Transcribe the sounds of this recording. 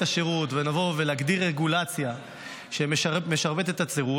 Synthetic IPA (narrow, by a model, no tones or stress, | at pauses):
taʃeʁutvenavo̞velaɡdiʁeɡulat͡sja | ʃe̞memeʃaʁbet̪et̪at͡seʁu